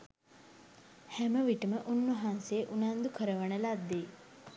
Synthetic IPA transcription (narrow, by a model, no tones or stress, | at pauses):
hɛməʋiʈəməʔunːuɦanseːʔunand̪ukʰəɾəʋəɳəlad̪ːe